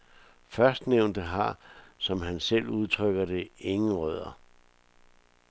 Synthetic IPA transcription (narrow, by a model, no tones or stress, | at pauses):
fɶɐsd̥neʊnd̥əɦɑ̈sɒ̽mɦænsel̰uð̞ˠt͡sʰʁœɡ̥ɐd̥e̝e̝ŋn̩ʁœð̞̰ˠɐ